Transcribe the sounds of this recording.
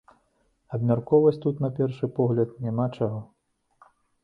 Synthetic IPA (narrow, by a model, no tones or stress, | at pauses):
ɐbmʲarkɔvɐt͡sʲt̪ut̪nɐpʲɛrʂɨpɔɣlʲɐt̪nʲamat͡ʂaɣɔ